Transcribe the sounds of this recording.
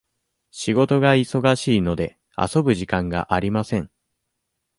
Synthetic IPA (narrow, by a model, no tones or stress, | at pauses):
ɕiɡo̞t̪o̞ɡaiso̞ɡaɕiːno̞d̪e̞ | a̰so̞bɯ̟ʑikãŋɡa̰ʔaɾʲimasẽ̞ŋ